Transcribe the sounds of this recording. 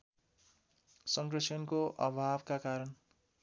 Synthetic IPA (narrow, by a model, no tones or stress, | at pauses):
sʌŋɡrʌsʰʌnkoʔʌbʱabkakaɾʌn